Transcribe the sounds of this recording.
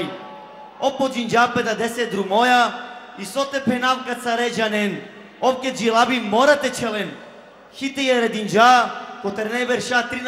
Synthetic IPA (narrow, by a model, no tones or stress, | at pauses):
j | opod͡ʒind͡ʒapɛd̪ad̪ɛsed̪ɾumojaisot̪ɛpʰɛnavkat̪saɾɛd͡ʒanɛn | ofked͡ʒilabimoɾat̪ɛt͡ʃɛlɛn | xit̪ɛjaɾɛd̪ind͡ʒakot̪ɛɾnɛbɛɾʃat̪ɾin